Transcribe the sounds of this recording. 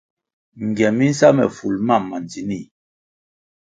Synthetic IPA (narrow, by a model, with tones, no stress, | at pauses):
ŋ˨ɡjɛ˨mi˦n̩˦sa˦mɛ̰˨fu˨lma˦˨mːa˨nd͡zi˨ni˦˨